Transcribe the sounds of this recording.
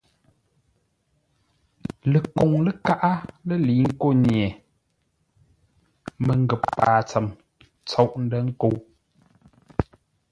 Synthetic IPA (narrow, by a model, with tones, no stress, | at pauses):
lə˨ko˨ŋlə˦ka˦ʔa˦lə˦˨liː˨˦ŋ̩˦ko˦˨ɲjɛ˨ | mə˨ŋ˦ɡə˨ppaː˨t͡sə˨m | t͡so˦˨wʔn̩˦də˦ŋ̩˦ko˨˦w